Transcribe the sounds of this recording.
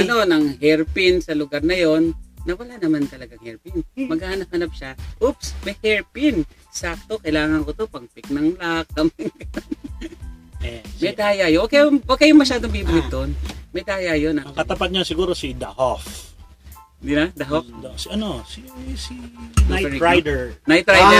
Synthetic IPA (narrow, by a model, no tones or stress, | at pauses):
ʔɐno̞nɐŋhɛɹpɪnsɐlʊɡaɾnɐjo̞nːɐwɐlanɐmant̪ɐlɐɡaŋhɛɹpinmɐɡhahɐnɐp̚hɐnap̚ʃaʔupsmɐjhɛɹpɪn | sak̚t̪o̞kɐjlaːŋɐnkot̪opɐŋpɪk̚nɐŋlak̚ɐmŋkɐn | ɛmɐjd̪aːjajowɐkːajowɐɡ̚kːɐjʊŋmɐʃaːd̪oŋbibɪlɪt̪̚d̪oʔnmɐjd̪aːjajonʔɐkɐt̪ɐpat̪̚ɲasɪɡuːɾosid̪ɐhof | nd̪inɐd̪ɐɦofd̪sɐnosisiaɛɾɾajd̪ɛɹnajt̪ɾajd̪ɛ